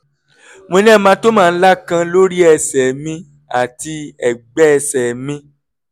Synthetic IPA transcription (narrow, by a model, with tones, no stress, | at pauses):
mõ˧nɛ̃˦˨˦mãː˧˦to˦mãː˦˧n̩˦la˦kã˧lo˦ɾi˦ɛ˧sɛ˨mĩ˧ | a̰˨ti˧ɛ˨ɡ͡bɛ˨˦ɛ˧sɛ˨mĩ˧˦